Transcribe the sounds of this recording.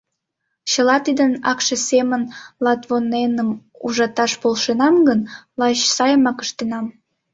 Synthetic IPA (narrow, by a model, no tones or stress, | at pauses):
t͡ɕəlɑt̪id̪ənɑkʃesemənlɑt̪βonenəm | uʒɑt̪ɑʃpolʃenɑmɡənlɑɕsɑjəmɑkəʃt̪enɑm